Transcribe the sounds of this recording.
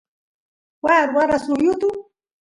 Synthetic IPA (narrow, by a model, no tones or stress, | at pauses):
waːɾwaɾasʊjʊt̪ʊ